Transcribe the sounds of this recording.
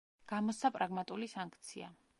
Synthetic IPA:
ɡ̥amɔsapʼɾaɡmat̪ʼulisaŋkʰt̪sʰia̰

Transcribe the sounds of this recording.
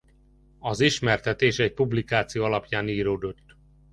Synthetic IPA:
ɒziʃmɛrt̪ɛt̪eːʃɛɟ̚publikaːt̪sijoːɒlɒpjaːniːɾoːd̪o̞t̪ː

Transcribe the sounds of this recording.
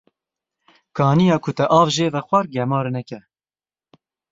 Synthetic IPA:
kʰɑːnijɑːkʰʊt̪ɛʔɑːvʒeːvɛχʷɑɾɡɛmɑːɾnɛkɛ

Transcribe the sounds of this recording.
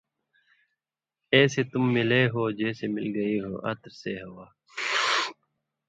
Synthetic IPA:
eːset̪ʊmːɪleːɦoːd͡ʒeːsemɪ̰lɡɐiːɦo̰ːʔɐ̰t̪ɾseɦɐwaː

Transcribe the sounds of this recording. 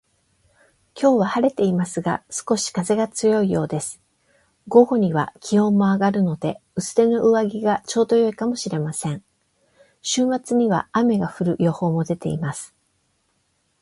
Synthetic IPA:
kʲo̞ːβahaɾe̞t̪e̞imasɨɡa̰sɨ̥ko̞ɕi̥kaze̞ɡat͡sɨjo̞ijo̞ːd̪e̞sɨ̥ | ɡo̞ɡo̞ɲ̟iβ̞a̰kʲʰihõ̞mːo̞aɡaɾɯ̟no̞d̪e̞ɯ̟sɨ̥ɾe̞no̞ʔɯβaɡʲiɡat͡ɕo̞ːd̪o̞jo̞ikamo̞ɕiɾe̞masẽ̞ɴ | ɕɨːmat͡sɨɲ̟iβ̞a̰ame̞ɡaɸɯ̟ɾɯ̟jo̞ho̞ːmo̞d̪e̞t̪e̞̰imasɨ̥

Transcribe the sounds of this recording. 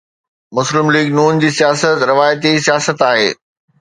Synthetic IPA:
mʊslɪmliːɡnuːnd͡ʑiːsijaːsət̪ɾɪʋaːjt̪isijaːsət̪aːɦḛː

